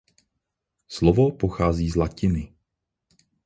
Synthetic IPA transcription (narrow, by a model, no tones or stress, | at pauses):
slovopoxaːziːzlacɪnɪ